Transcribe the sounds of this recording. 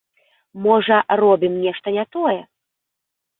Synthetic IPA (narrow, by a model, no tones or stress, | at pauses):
mɔʐɐrɔbʲimnʲɛʂt̪ɐnʲat̪ɔjɛ